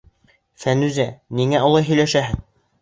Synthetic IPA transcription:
fænʉzæniŋæolˠɑjɦɵ̆jlæʃæɦɘð

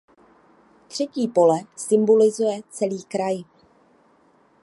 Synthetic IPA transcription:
t̪r̝̥ɛciːpo̞lɛsɪmbo̞lɪzujɛt͡sɛliːkɾaj

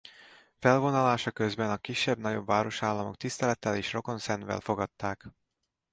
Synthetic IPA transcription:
fɛlvo̞nɒlaːʃɒkøzbɛnɒkiʃːɛbnɒɟo̞bvaːɾo̞ʃaːlːɒmo̞̰k̚t̪ist̪ɛlɛt̪ːɛleːʃro̞ko̞nsɛnvɛ̰lfo̞ɡɒt̪ːaːk

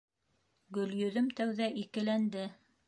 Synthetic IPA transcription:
ɡɵ̆ljɵ̆ðɵmt̪æwðæʔikɘ̆lænd̪ɘ

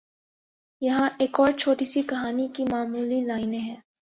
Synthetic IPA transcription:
jɐɦãʔeːkɔːɾt͡ʃʰoːʈisikɐɦaːnikimaːmuːlilaːɪnɦɛ̃ː

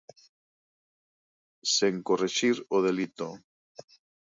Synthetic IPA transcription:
seŋkoreʃiɾoðelit̪o

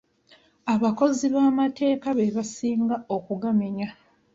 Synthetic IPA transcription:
aβako̞ziβaːmate̞ːkaβe̞βasiːŋɡao̞kuɡameɲa

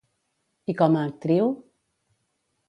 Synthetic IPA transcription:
ikɔmat̪ɾiw

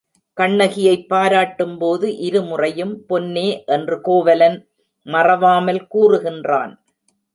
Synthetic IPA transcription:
kɐɳːɐɣɪjɐɪpːaːɾaːʈːɯmpoːðɯʔɪɾɯmʊrɐjɯmpɔnːeːʔɛndrɯkoːʋɐlɐn | mɐrɐʋaːmɐlkuːrɯɣɪndra̰ːn

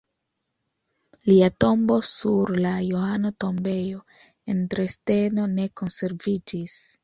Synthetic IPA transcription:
liato̞mbo̞suɾlajoanoto̞mbe̞jo̞ | e̞ntɾe̞ste̞no̞ne̞ko̞nse̞ɾvid͡ʒis

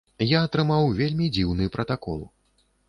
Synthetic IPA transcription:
jaːt̪ɾɨmawvʲelʲmʲid͡zʲiwnɨpɾɐt̪akɔ̰lˠ

